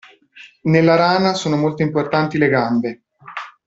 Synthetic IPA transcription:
nelːaɾaːnasoːnomolt̪oimport̪ant̪ileɡambe

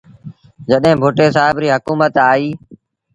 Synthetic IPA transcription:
d͡ʒəɗɦɪ̃ːbʱʊʈeːsaːɦɪbɾiːɦəkuːmət̪aːiː

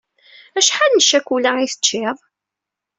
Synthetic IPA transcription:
æʃħalnəʃækʷulæiθə̥t͡ʃːeðˤ

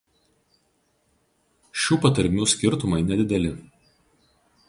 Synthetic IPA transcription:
ʃʲuːpɐt̪ɐɾʲmʲuːsʲkʲɪɾt̪ʊmɐɪnʲɛd̪ʲɪd̪ʲɛlʲɪ

